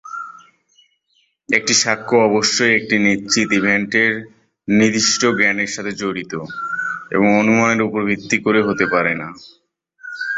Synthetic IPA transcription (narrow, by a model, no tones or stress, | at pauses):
ek̚ʈiʃakʰːoɔboʃːojek̚ʈinitːɕit̪ibʱeɳʈeɾ | nid̪iʃʈoɡɛneɾʃat̪ʰed͡ʑoɽit̪o | ḛboŋonumaeɾupoɾbʱit̪ːikoɾeɦot̪epaɾena